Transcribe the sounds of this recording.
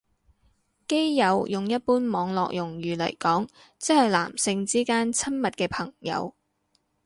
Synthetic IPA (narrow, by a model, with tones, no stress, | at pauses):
ke˥jjɐ˨˧wjʊ˨ŋjɐ˥t̚puː˥nmɔː˨˧ŋlɔː˨k̚jʊ˨˩ŋjyː˨˩lɐ̰˨˩jkɔː˨˥ŋ | t͡sɪ˥hɐ˨˩jla̰ː˨˩msɪ˧ŋt͡siː˥kaː˥nt͡sʰɐ˥nmɐ˨t̚kɛː˧pʰɐ˨˩ŋjɐ̰˨˧w